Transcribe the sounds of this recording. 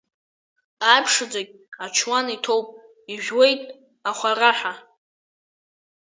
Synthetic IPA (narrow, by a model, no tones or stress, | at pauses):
apʰʂɨd͡zaɡʲat͡ʃʰwanitʰo̞wpʼ | iʒᶣwe̞jtʼ | aχʷaraħʷa